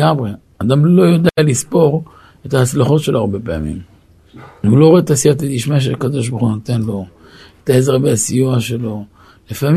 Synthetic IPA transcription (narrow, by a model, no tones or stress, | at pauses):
amʁe̞ | ad̪amlo̞jod̪ealispo̞ʁ | e̞t̪ahat͡slaχo̞tʃe̞loaʁbe̞pea̰mḭm | hulo̞ʁet̪asiat̪at̪iʃmaʃ̬eakad̪o̞ʃ̬boχunot̪e̞nlo̞ | et̪aezeʁbeasijuaʃe̞lo̞ | lefam